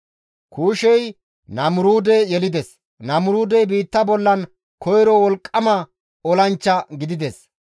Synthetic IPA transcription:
kʰuːʃɛj | nɐmʊɾuːd̪ɛjɛlɪd̪ɛs | nɐmʊɾuːd̪ɛjbiːt̪ːɐbɔlːɐn | kʰɔjɾɔwɔlkʼːɐmɐ | ɔlɐnt͡ʃːɐɡɪd̪ɪd̪ɛs

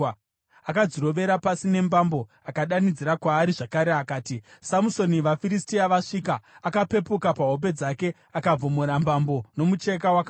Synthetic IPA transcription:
akad͡ziɾo̞ʋe̞ɾapasine̞mbambo̞ | akaɗanid͡ziɾakwaːɾiʐakaɾe̞akaːtisamuso̞niʋafiɾistiaʋaʂikaːkape̞pukapaɦo̞p̬e̞d͡zake̞ | akab͡vomoɾambambo̞no̞mut͡ʃe̞kawaka

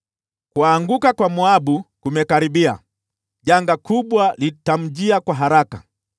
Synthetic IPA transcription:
kuaŋɡukakwamuaɓukumɛkaɾiɓia̰ | ʄaŋɡakuɓwalitam̩d͡ʒiakwaɦaɾaka

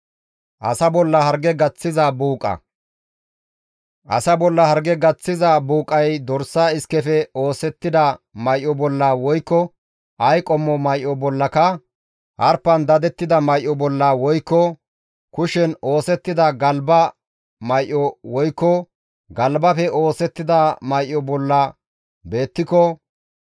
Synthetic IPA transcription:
ʔɐ̰sɐbɔlːɐhɐɾɡɛɡɐt͡sːɪzɐbuːkʼɐ̰ | ʔɐ̰sɐbɔlːɐhɐɾɡɛɡɐt͡sːɪzɐbuːkʼɐjd̪ɔɾsːaːɪskɛfɛo̞ːsɛt̪ːɪd̪ɐmɐjʔɔbɔlːɐwɔjkːɔ | ʔɐjkʼɔmːɔmɐjʔːɔbɔlːɐkɐ | ʔɐɾpːɐnd̪ɐd̪ɛt̪ːɪd̪ɐmɐjʔːɔbɔlːɐwɔjkːɔ | kʊʃɛno̞ːsɛt̪ːɪd̪ɐɡɐlbɐ | mɐjʔɔwɔjkːɔ | ɡɐlbɐfɛʔo̞ːsɛt̪ːɪd̪ɐmɐjʔːɔbɔlːɐ | be̞ːt̪ːɪkɔ

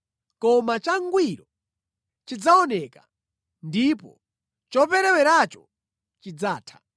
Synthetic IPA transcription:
kɔmat͡ʃaŋɡwiɾɔ | t͡ʃid͡zaɔnɛka | ndipɔ̰ | t͡ʃɔpɛɾɛwɛɾat͡ʃɔ̥ | t͡ʃid͡zaːtʰḁ

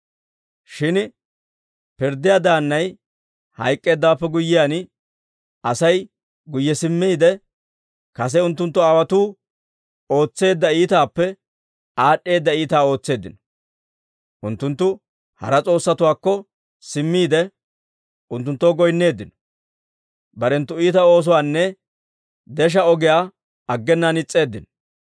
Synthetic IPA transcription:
ʃɪn | pɪɾd̪ɪjaːd̪aːnːɐj | hɐ̰jkʼːe̞ːd̪ːaːpːɛɡʊjːɪjan | ɐsɐj | ɡʊjːɛsɪmːiːd̪ɛ | kɐs̬ɛʊnt̪ːʊnt̪ːʊaːwɐt̪uː | o̞ːt͡sːe̞ːd̪ːɐiːt̪aːpːɛ | aːɗːe̞ːd̪ːɐiːt̪aːo̞ːt͡sːe̞ːd̪ːɪnɔ̥ | ʔʊnt̪ːʊnt̪ːʊ | hɐ̰ɾɐt͡sʼo̞ːsːɐt̪ʊwaːkːɔ | sɪmːiːd̪ɛ | ʔʊnt̪̬ːʊnt̪ːoːɡɔjnːe̞ːd̪ːɪnɔ̥ | bɐɾɛnt̪ːʊiːt̪ɐo̞ːs̬ɔwaːnːɛ | d̪ɛʃ̬ɐɔɡɪjaː | ɐɡːɛnːanɪt͡sʼːe̞ːd̪ːɪnɔ̥

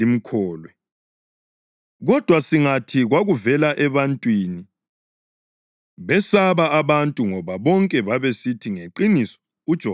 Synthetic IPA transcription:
im̩kʰɔːlwɛ | ɣɔd̥ʱwasiŋatʰiɣwaɣuvɛlaʔɛβantʼwiːni | βɛsaβaːβantʼuŋɔβaβɔŋkʼɛβaβesitʰiŋeǃinisɔ̥ | ud̥ʒ̥ʱɔ

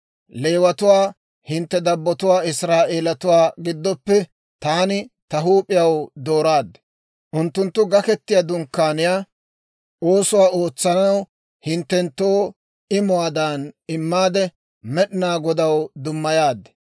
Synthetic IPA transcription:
le̞ːwɐt̪ʊwaː | hɪnt̪ːɛd̪ɐbːɔt̪ʊwaːɪsɾaːʔe̞ːlɐt̪ʊwaːɡɪd̪ːɔpːɛ | t̪aːnɪt̪ɐɦuːpʼɪjɐwd̪o̞ːɾaːd̪ː | ʔʊnt̪ːʊnt̪ːʊɡɐkɛt̪ːɪjad̪ʊŋkːaːnɪjaː | o̞ːsʊwaːo̞ːt͡sːɐnɐw | hɪnt̪ːɛnt̪ːoː | ɪmʊwaːd̪anɪmːaːd̪ɛ | mɛɗɪnaːɡɔd̪ɐwd̪ʊmːɐjaːd̪ːɛ

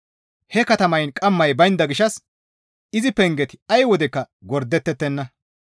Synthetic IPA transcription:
hɛkɐt̪ɐmɐjnkʼɐmːɐjbɐjnd̪ɐɡɪʃɐs | ɪzɪpɛŋɡɛt̪ɪ̥ɐjwɔd̪ɛkːɐ | ɡɔɾd̪ɛt̪ːɛt̪ːɛnːɐ

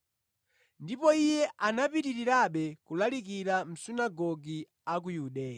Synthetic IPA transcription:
ndipɔijɛʔanapitiɾiɾaɓɛkulalikiɾam̩sinaɡɔɡi | ak̬ujuɗɛːja

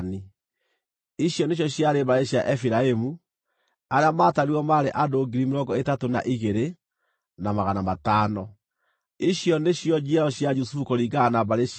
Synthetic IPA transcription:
ni | iɕjɔneɕ̬jɔɕjaɾeβaɾeɕjaʔɛfiɾaemu | aɾeamaːtaɾiɔmaːɾeʔadoɡiɾimeɾɔɡɔetatona̰ʔiɣeɾe | namaɣanamataːnɔ | iɕjɔneɕjɔd͡ʒiɔɕjad͡ʒusufukoɾiːɡanabaɾe

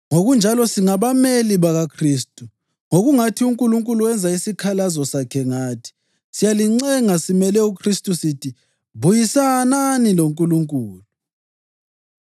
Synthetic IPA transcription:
ŋoɣund͡ʒʱalɔsiŋaβameliβaɣakʰriːstʼu | ŋoɣuŋatʰiuŋkʼuluŋkʼuluwɛnd͡zʱaisikʰalazɔsakʰɛŋaːtʰi̥ | sijaliŋ͡ǀɛŋasimɛlɛukʰristʼusitʰi | βujisananiloŋkʼuluŋkʼuːlu

